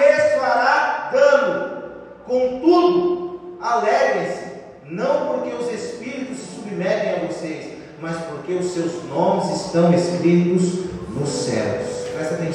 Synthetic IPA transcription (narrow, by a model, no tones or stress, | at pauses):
esaɾak̪ɐ̃mʊ | kõw̃t̪ud̪ʊalɛɡɾɪsɪ̥ | nɐ̃w̃poɾkeʊzespiɾit̪ʊsɪsubimɛt̪ẽj̃avosejs | mɐspoɾkeʊsːewznõmɪzɪst̪ɐ̃w̃eskɾit̪ʊznʊsɛ̰lʊspɾɛst̪ɐt̪ẽ